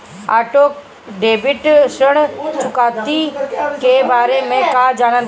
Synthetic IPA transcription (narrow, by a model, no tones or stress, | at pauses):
aːʈoːk | ɖeːbɪʈsəɽ̃t͡ʃʰʊkaːt̪ikeːbaːɾemẽkaːd͡ʒaːɽ̃ə̃nd̪